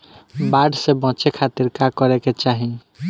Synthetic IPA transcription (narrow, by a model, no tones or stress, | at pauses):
baɖsebɔ̃t͡ʃekʰat̪iɾkakɔɾeket͡ʃaɦĩ